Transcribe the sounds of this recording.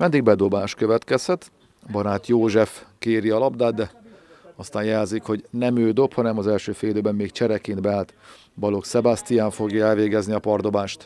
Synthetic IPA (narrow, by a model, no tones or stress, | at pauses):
mɛnd̪iɡ̚bɛd̪o̞baːʃkøvɛt̪kɛshɛt̪ | bɒɾaːt̪joːʒɛfkeːɾiɒlɒbd̪aːd̪̚d̪ɛ | ɒst̪aːjjɛlzikho̞ɟnɛmøːd̪o̞phɒnɛmɒzɛlʃøːfeːld̪øːbɛmːeːkt͡ʃɛɾɛkind̪bɛaːlt̪ | bɒlo̞ksɛbast̪ijaːɱfo̞ɡjɒɛlveːɡɛzniɒpɒrd̪o̞baːʃt̪